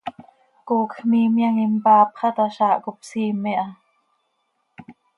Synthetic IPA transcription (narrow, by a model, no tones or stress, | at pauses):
kokʰmiːmjaŋimpaːpχɑt̪aʃaːʔkup̚siːmeʔa